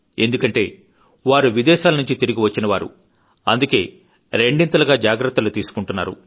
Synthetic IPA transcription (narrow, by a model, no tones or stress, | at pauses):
e̞nd̪ukɐɳʈe̞ː | ʋaːɾuʋid̪ɛːʃaːlɐnuɲt͡ʃit̪iɾiɡiʋɐt͡ʃːinɐʋaːɾṵ | ɐ̰nd̪uke̞ː | ɾeɳɖint̪ɐlɐɡaːd͡ʒaːɡɾɐt̪ːɐlut̪iːsu̥kuɳʈunːa̰ːɾṵ